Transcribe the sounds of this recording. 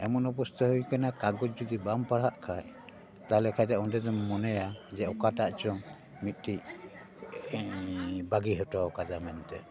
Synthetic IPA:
ɛmɔnɔp̬ɔst̪ɔhojkanakaɡɔt̚d͡ʒɔd̪ibampaɽaʔkʰaj | t̪aɦɛlɛkʰajt̪ɛɔndɛd̪ɛmmɔnɛjad͡ʒɛɔkaʈaʔt͡ʃɔŋ | mit̪̚ˀʈi | baɡiɦɔtɔkad͡ʒamɛnt̪ɛ

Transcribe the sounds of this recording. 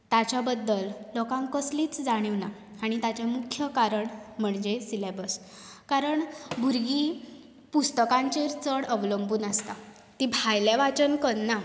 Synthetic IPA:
t̪at͡ɕjabəd̪ːəlːɔkãŋkəsliːt͡sd͡zaɽ̃iʋna | aɽ̃it̪at͡ɕamukʰjəkaɾəɳm̤əɳd͡ʑesilebəs | kaɾəɳbʱuɾɡiː | pust̪əkãɲt͡ɕeɾt͡səɽəʋləmbuːnast̪a | t̪ibʱajleʋat͡sənkəɾna

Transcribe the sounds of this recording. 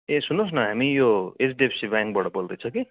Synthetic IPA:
esunːosnʌɦamijoesdiepʰsibaŋk̚bʌɽʌbold̪ʌjt͡sʰʌki

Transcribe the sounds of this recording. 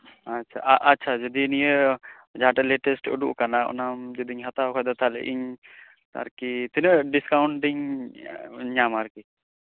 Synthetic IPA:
atːt͡ʃʰaʔʔatːt͡ʃʰad͡ʒɔd̪inijə | d͡ʒaʈɛlɛʈɛsʈə̰ɖuʔkanaɔ̰namd͡ʒɔd̪iɲɦat̪akʰɔjd̪at̪ʰalɛ̰ʔḭɲ | t̪a̰ɾkit̪ʰinəʔɖiskawɳʈiɲ | ɲamaɾki

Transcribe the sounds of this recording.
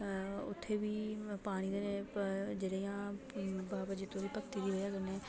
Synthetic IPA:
ʊ̰t̪ʰːeːʋiːpaːɽ̃iːd̪eːned͡ʒeːɽeːjãː | baːbad͡ʒɪt̪ːõːʋiːpəkt̪iːd̪iːɦojaːkəɾneɛː

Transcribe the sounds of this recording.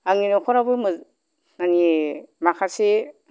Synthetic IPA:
aŋinokʰɔɾabɯmɯ | ŋanimakʰase

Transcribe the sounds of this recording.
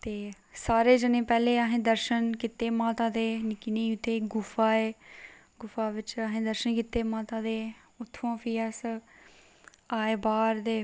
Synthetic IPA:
t̪eː | saːɾeːd͡ʒənẽːpɛːleːaɦẽːd̪əɾʃənkit̪eːmãːt̪ãːd̪eːnɪkniːʊt̪ʰːeːɡʊfaːeː | ɡʊfaːʋɪt͡ʃəɦẽːd̪əɾʃənkiːt̪ːeːmãːt̪ãːd̪eː | ʊt̪ʰːãːpʰiːɛːs | aːeːbaːɾd̪eː

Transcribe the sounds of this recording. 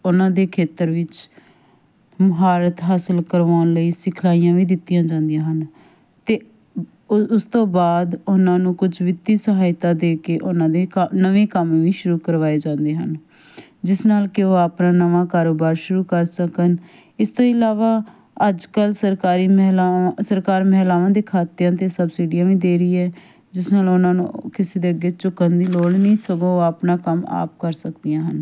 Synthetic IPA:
ʊnãːd̪eːkʰeːt̪əɾʋɪt͡ʃ | məɦaːɾət̪ɦaːsəlkəɾʋaːʊnləiːsɪkʰlaːijãːʋiːd̪ɪt̪ːijãːd͡ʒãːnd̪ijãːɦən | t̪eː | ʊst̪õːbaːd̪ʊnãːnũːkʊd͡ʒʋɪt̪ːiːsəɦaːjt̪aːd̪eːkeːʔʊnãːd̪eːnəʋẽːkəmːʋiːʃʊɾuːkəɾʋaːeːd͡ʒãːnd̪eːɦən | d͡ʒɪsnaːlkɪoːapnaːnəʋãːkaːɾoːbaːɾʃʊɾuːkəɾsəkən | ɪst̪oːɪlaːʋaː | əd͡ʒkəlsəɾkaːɾiːmlasəɾkaːɾməɦlaːʋãːd̪eːkʰaːt̪ejãːt̪eːsəbsiːɖijãːʋĩːd̪eːɾəiːɛː | d͡ʒɪsnaːlʊnãːnṵ̃ːkɪseːd̪eːəɡːeːt͡ʃʊkənd̪iːloːɽnĩːsəɡõːoːapnaːkəma̰ːp̚kəɾsəkd̪ijãːɦən

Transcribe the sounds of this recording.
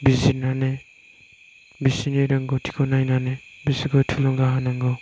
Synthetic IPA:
bizinane | bisineɾaŋɡɔtʰi̥kʰɔnajnanebisiɡɔtʰulɔŋɡaɦanaŋɡɔ

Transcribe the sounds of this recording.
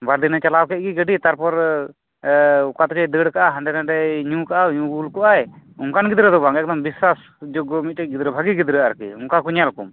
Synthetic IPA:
baɾd̪inat͡ʃalawkɛʔ̚ɡiɡəɖit̪aɾpɔɾ | ukat̪ɔt͡ʃɛd̪əɽkaʔaɦanɖ̪ɛnaɖɛɲũkaʔaɲũɡulkɔʔajuŋkanɡid̪ɾɛd̪ɔbaŋɛk̚d̪ɔmbiswas | d͡ʒɔɡɔmit̪̚ʈɛc̚ˀɡid̪ɾɛbʱaɡiɡid̪ɾɛaɾkḭuŋkakuɲalkṵm

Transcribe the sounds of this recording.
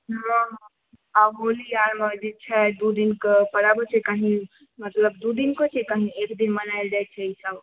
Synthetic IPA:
ɦãɦ | aɦolijaɾməd͡ʒit͡ʃʰɛd̪ud̪inkepəɽabət͡ʃʰɛkəɦĩ | mət̪ləbd̪ud̪inkət͡ʃʰɛkəɦĩekd̪inmənajld͡ʒajt̪̚t͡ʃʰɛisəb

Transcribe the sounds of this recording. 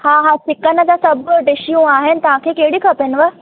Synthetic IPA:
haːɦasɪkənə̆d͡ʑaːsɐbɖɪʃijũaːɦɪnɪ̆t̪ɐʋ̤ãkʰeːkɐɦɪɽikʰɐpɪnʋə

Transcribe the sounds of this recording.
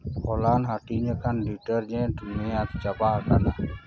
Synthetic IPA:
ɔlanɦaʈiɲɛkʰanɖiʈəɾd͡ʒɛ̃ʈumɛat̪t͡ʃapaɦakana

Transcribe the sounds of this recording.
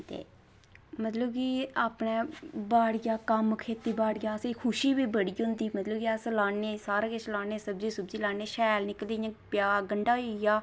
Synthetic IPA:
t̪ḛː | mət̪ləbkiːaːpɳɛːbaːɽɡjaːkəmkʰeːt̪iːbaːɽɡʲjaːsekʰʊʃiːbiːbəɽiːɦʊ̃nd̪iːmət̪ləbkiaslaːneːsaːɾãːket͡ʃlaːneːsəbd͡ʒiːsəbd͡ʒiːlaːneːʃɛːlnɪkld̪eːjãːpjaːɡəɳɖaːjaː

